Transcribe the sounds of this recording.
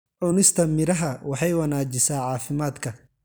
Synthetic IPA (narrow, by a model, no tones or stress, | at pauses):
ʔʊnɪst̪ʰɐmɪɾɐɦɐwɑħɑjwɐnaːt͡ʃɪsaːʕɑːfɪmaːd̪kʰɐ